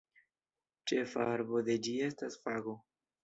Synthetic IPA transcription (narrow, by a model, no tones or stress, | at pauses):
t͡ʃe̞fa̰aɾbo̞d̪e̞d͡ʒie̞stasfaɡo̞